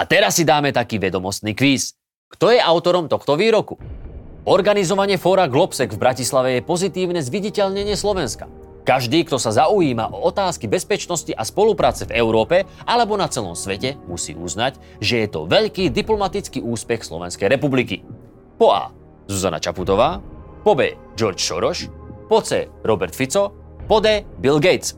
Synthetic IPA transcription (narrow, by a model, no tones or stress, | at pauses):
at̪ɛɾasːid̪aːmɛt̪akiːʋɛd̪ɔmɔst̪niːkʋiːs | kt̪ɔjɛaʊt̪ɔɾɔmt̪ɔxt̪ɔʋiːɾɔku | ɔɾɡanizɔʋaɲɪɛfɔːɾaɡlɔpsɛɡvbɾacislaʋɛjɛpɔzit̪iːʊnɛzʋiɟicɛʎɲɛɲɪɛslɔʋɛnskḁ̰ | kaʒd̪iːkt̪ɔsazaujiːmaʔɔɔt̪aːskibɛspɛt͡ʃnɔsciʔaspɔlupɾaːt͡sɛvɛʊɾɔːpɛʔalɛbɔnat͡sɛlɔ̰msʋɛcɛmusḭːʔṵznac | ʒɛjɛt̪ɔ̰ʋɛʎkiːd̪iplɔmat̪it͡skiːʔuːspɛxslɔ̰ʋɛ̰nskɛjɾɛpublikḭ | pɔa̰ː | zuza̰na̰t͡ʃa̰put̪ɔʋaːpɔbɛ̰ː | d͡ʒɔɾt͡ʃʃɔ̰ɾɔʃpɔt͡sɛ̰ːɾɔbɛɾt̪fit͡sɔ | pɔd̪ɛːbilɡɛjt͡s